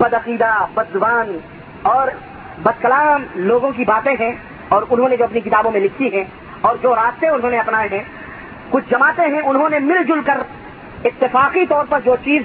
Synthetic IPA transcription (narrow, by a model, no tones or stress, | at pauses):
bɐd̪ɐqiːd̪abɐd̪ːʊʋaːn | ɔːɾ | bɐd̪̚kɐlaːmloːɡõk̬ibaːt̪ẽɦɛ̃ | ɔːɾʊnɦõned͡ʒoːɐpnik̬ɪt̪aːbõmẽlɪkʰiɦɛ̃ | ɔːɾd͡ʒoːɾaːst̪eʊnɦõneɐpnaːeɦɛ̃ | kʊt͡ʃʰd͡ʒɐmaːt̪ẽɦɛ̃ʊnɦõnemɪld͡ʒʊlkəɾ | ɪt̪ːɪfaːqit̪ɔːɾpɐɾd͡ʒoːt͡ʃiːz